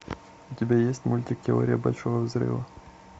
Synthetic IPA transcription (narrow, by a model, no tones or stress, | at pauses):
ʊtʲɪbʲejesʲtʲmʊlʲtʲɪktʲɪo̰ɾʲɪjəbɐlʲʂovəvzrɨ̰vɐ